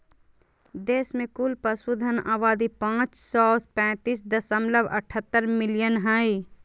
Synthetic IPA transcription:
d̪eːsmẽkulpəsuːd̪ʱənaːʋaːd̪ipãːt͡ʃsɔːspɛ̃ːt̪iːs̬d̪əsəmləbə̰ʈʰət̪ːəɾmɪlijənɦə̃ːi

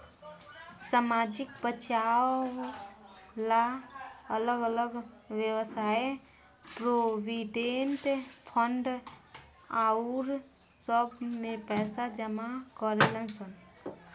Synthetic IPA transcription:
samaːd͡ʒɪk̚pət͡ʃa | laələɡələɡʋjəwsaːe | pɾoʋiɖenʈpʰəɳɖ | auɾ | səbmẽpɛːsad͡ʒəmakəɾelənsən

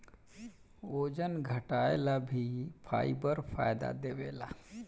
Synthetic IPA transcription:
oːd͡ʒənɡʱəʈaːelabʱipʰa̰ːibəɾpʰa̰ːjd̪a̰d̪eːʋeːla

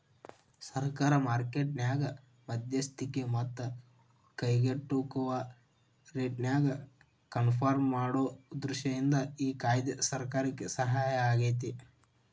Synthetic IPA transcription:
sɐɾkaːɾɐmaːɾkeːʈnjaːɡɐ | mɐd̪jɐst̪ʰikemɐt̪ːɐ | kɐjɡeʈːukɐʋa | ɾeːʈnʲjaːɡɐ | kɐnpʰaːɾmːaːɽoːd̪ɾuʃɐjind̪ɐiːkaːjd̪ɐsɐɾkaːɾɐkːesɐɦaːjɐaːɡeːt̪̬i

